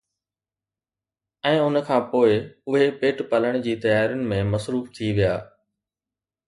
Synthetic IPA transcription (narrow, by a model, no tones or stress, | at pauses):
ɛ̃ːʊnəkʰãːpoːɪʊɦepeːʈpɐləɽ̃d͡ʑiːt̪ɐjaːɾjʊnɪ̆mẽmɐsɾuːft̪ʰiʋijaː